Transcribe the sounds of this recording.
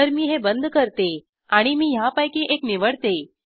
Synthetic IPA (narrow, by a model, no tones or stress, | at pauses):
əɾmiːɦebənd̪ʱkəɾt̪e | aɽ̃imiːjãpəjkiʔekniʋəɽt̪e